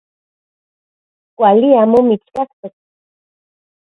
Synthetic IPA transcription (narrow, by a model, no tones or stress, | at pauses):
kʷaliamomit͡skakt̪ek̚